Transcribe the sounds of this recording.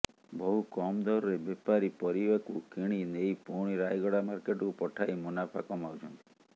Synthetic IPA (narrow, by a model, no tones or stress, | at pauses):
bɔɦukɔmd̪ɔɾɔɾebepaɾipɔɾiʋakukiɽ̃inejpuɽ̃iɾajɡɔɽamaɾkeʈkupɔʈʰajmunapʰa̰kɔmawt͡ʃʰɔnt̪i̥